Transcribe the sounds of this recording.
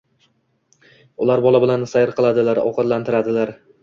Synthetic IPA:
ʊlaɾbɒlabɪlansajɪɾqɨlˠad̪ɪlaɾɒ̰qɑd̪lant̪ʰɪɾad̪ɪlaɾ

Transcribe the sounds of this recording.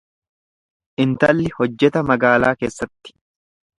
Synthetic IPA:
ʔɪnt̪ɐlːɪhɔd͡ʒːɛt̪ɐmɐɡaːlaːke̞ːsːɐt̪ːɪ̥

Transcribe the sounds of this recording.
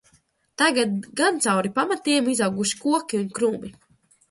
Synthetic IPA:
t̪aɡad̪̚ɡant̪sawɾipamat̪iɛmizawɡuʃi̥kuɔkʲiunkɾuːbi

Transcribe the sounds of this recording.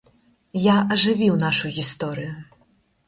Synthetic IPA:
jaɐʐɨvʲiwnaʂuɣʲist̪ɔɾɨju

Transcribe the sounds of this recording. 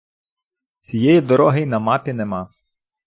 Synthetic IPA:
t͡sʲijɛjid̪ɔɾɔɦejnɐmɑpʲinemɑ

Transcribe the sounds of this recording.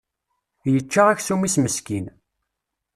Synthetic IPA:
jət͡ʃːaʁæçsumisməskin

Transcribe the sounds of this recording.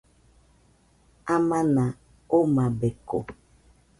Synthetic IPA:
amãnã | omãbeko̰

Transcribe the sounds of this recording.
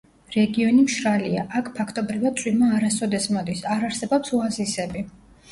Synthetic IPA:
ɾɛɡiɔnimʃɾaliaʔakʰpʰakʰt̪ʼɔbɾivad̪̚tsʼwimaːɾasɔd̪ɛsmɔd̪isaɾaɾsɛbɔpsuazisɛbi

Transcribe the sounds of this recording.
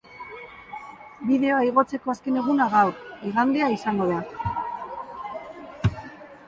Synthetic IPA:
biðe̞o̞aiɣo̞t͡se̞ko̞aske̞ne̞ɣ̞unaɣawɾiɣand̪eaisaŋɡo̞ð̞a

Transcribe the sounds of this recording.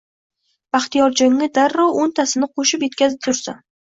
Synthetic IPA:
b̥aχt̪ijɒɾd͡ʒɒŋːɪd̪aɾːɒwont̪ʰasɪnɪqʰoʃɪpje̞t̪kʲʰazɪp̚t̪ʰʊɾsa

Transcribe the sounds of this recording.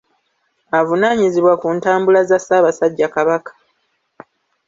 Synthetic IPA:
avunaːɲiziβwakuntaːmbulazasaːβasaɟːakaβakḁ

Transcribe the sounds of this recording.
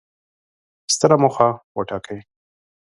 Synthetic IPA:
st̪əɾamoxawəʈɑkʰəj

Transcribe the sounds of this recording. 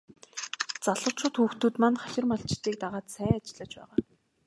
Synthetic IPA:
t͡saɮʊ̆ːʃʰʊːt̪xuːxt̪uːt̪manχaxɪ̆rmɔɬt͡ɕɪ̥t̪iːk̚t̪aʁaːt̪sæːat͡ɕɪ̆ɮə̆t͡ɕpæ̰ːʁaː

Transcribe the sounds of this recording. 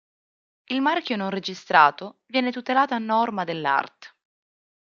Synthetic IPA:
ilmarkʲjononred͡ʒist̪ɾaːt̪ovjɛːnet̪ut̪elaːt̪oanːɔrmad̪elːa̰rt̪

